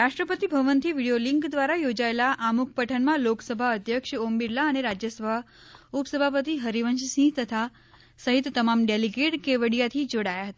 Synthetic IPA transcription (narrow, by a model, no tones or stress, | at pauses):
ɾaʂʈɾəpət̪ibʱəʋənt̪ʰiʋiɽijoliŋkd̪ʋaɾajod͡ʑaelaʔamuk̚pəʈʰənmãloksəbʱaəd̪ʱjəkʂombiɾlaːneɾad͡ʑjəsəbʱa | upsəbʱapət̪iɦəɾiʋənɕsĩŋt̪ət̪ʰa | səɦit̪ːəmamɖeliɡeʈkeʋəɽijat̪ʰid͡ʒoɽajaɦət̪a